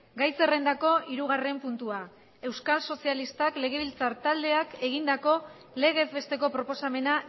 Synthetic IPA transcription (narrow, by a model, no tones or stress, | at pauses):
ɡajse̞re̞nd̪ako̞iɾuɣ̞are̞mpunt̪ua | e̞wskalso̞sialist̪akle̞ɣ̞e̞β̞ilt͡saɾt̪ald̪e̞ake̞ɣ̞ind̪ako̞ | le̞ɣ̞e̞zβe̞st̪e̞ko̞pɾo̞po̞same̞na